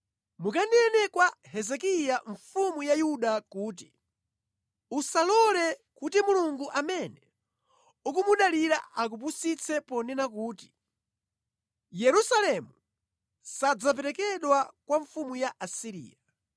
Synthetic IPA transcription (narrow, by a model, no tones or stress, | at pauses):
mukanɛnɛkwahɛzɛkijaɱfumujajuɗakuːti̥ | usalɔlɛkutimuluŋɡuʔamɛnɛ | ukumuɗaliɾa̰ʔak̬up̬usit͡sʰɛpɔnɛnakuːti̥ | jɛɾusalɛmu | sad͡zap̬ɛɾɛkɛɗwakwaɱfumujaʔasiɾḭːja